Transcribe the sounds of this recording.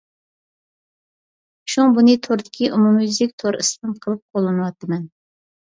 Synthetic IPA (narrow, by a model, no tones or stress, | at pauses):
ʃuŋbunɨt̪ʰoɾd̪ɪkʲʰiʔumumzɪkʲt̪ʰoɾḭsmɨnqʰəlˠɨp̚qʰolˠːɨnɨwɑt̪ʰːɨmɛn